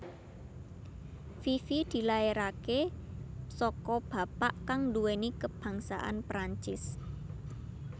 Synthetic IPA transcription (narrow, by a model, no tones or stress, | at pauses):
fifid̪̥i̤laeɾake | sɔkɔb̥a̤paʔkaŋduwenikəb̥ä̤ŋsa̰ʔa̰npɾaɲt͡ʃɪs